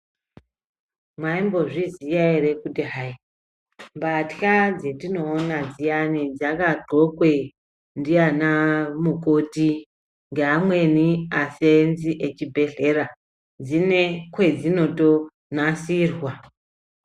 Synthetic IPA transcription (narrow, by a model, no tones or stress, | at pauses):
mwaimbo̞ʐizijaerekutiɦai | mbatkad͡zetino̞ːnad͡zijanid͡zakaɬokwe | ndianamukoti | ŋɡamwe̞niasenziʔet͡ʃibʱe̞ɮe̞ɾa | d͡zine̞kwe̞d͡zino̞to | nasirwa